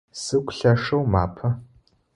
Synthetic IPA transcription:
sɨkʷʰɬɐʂɐwma̰ːpʰɐ

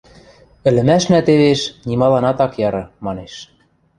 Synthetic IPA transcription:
ɘ̆lɘ̆mæʃnæt̪eβeʃnimɑlɑnɑt̪ɑkjɑɾɤ̆mɑneʃ

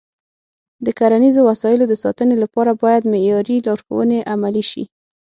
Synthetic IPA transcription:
d̪əkaɾanizowasɑjɪlod̪əsɑ̰t̪ənelapɑɾabɑjad̪mejɑɾilɑɾxo̰wəneʔamaliʃḭ

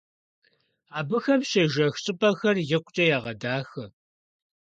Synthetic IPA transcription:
aːbɨxɐmɕɐʒɐxɕʼɪpʼɐxɐrjɪqʷʊt͡ʃʼɐjaːʁɐdaːxɐ

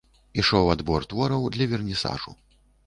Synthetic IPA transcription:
iʂɔwad̪bɔrt̪vɔɾɐwd̪lʲɐvʲɛrnʲisa̰ʐṵ

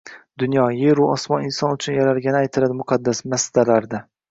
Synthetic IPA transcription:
d̪ʊnjɒjeɾʊɒsmɒnɪnsɒnʊt͡ʃʰʊnjaɾaɾɡʲanɪajt̪ʰɪlad̪ɪmʊqʰɑd̪ːasmasd̪alaɾd̪a

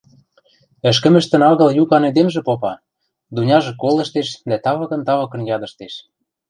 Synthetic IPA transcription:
ɘ̆ʃ̬kə̆mɘ̆ʃt̪ə̆nɑɣɤ̆ljukɑned̪emʒĕpopɑ | d̪unʲɑʒĕkolə̆ʃt̪eʃd̪æt̪ɑβɤ̆kɤ̆nt̪ɑβɑkɤ̆njɑd̪ɤ̆ʃt̪eʃ

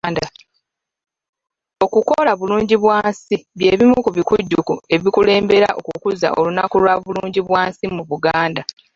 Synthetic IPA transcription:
da | o̞kuko̞laβuluːɲɟiβwaːnsiβje̞ːβimukuβikuɟːukue̞βikule̞ːmbe̞ɾa̰ʔo̞kukuza̰ʔo̞̰lunakulwaβuluːɲɟiβwaːnsimuβuɡaːnda

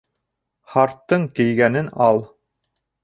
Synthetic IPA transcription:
χɑɾt̪ːɤɴkɘ̆jɡænɘnɑlˠ

